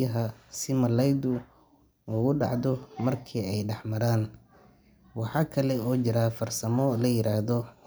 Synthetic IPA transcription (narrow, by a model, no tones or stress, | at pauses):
ɐɦɐsɪmɐlɛjd̪ʊ | uɣʊɖɑ̰ʕd̪ɔmɐrkʰiːɛjɖɛħmɐɾaːn | wɑħɑːkʰɐlɛɔːt͡ʃɪɾaːfɐrsɐmɔlɐjɪɾaːhðɔ